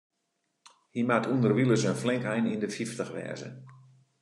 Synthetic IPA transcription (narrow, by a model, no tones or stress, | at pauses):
himatʰundərʋilˠəsənflɪŋkɛjnindəfiftəxʋɛ̰ːzə̰